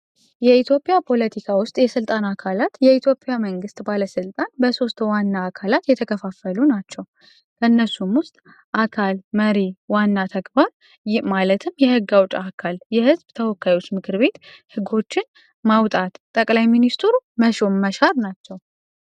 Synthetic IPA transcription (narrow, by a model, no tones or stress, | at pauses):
jɛit̪ʰjo̞pʼːɪjapʰo̞lət̪ʰikʰawʊst̪ʼjɛsɨlt̪ʼanakʰalat̪jɛit̪ʰjo̞pʼɪjaməŋɡɨst̪ʼbaləsɨlt̪ʼanbəso̞st̪wanːaːkʰalat̪jɛt̪ʰəkʰəfafəlunat͡ʃːɛw | kʰənːəsumwʊst̪ʼ | ʔakʰalməɾewanːat̪ʰəɡbaɾ | malət̪ʰɨmjɛhɨɡːawt͡ʃʼakʰaljɛhɨzbt̪ʰəwɔkːajwo̞t͡ʃːmɨkʰɨɾbe̞t̪hɨɡo̞t͡ʃːɪn | mawt̪ʼat̪t̪ʼəkʼlajminist̪ɾuməʃo̞mːəʃaɾnat͡ʃːɛw